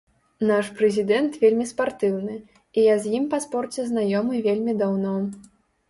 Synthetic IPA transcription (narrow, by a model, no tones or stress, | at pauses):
naʂpɾɛzʲid̪ɛnt̪vʲelʲmʲispart̪ɨwnɨ | ijazʲjimpɐspɔrt͡sʲɛznajɔmɨvʲelʲmʲid̪awnɔ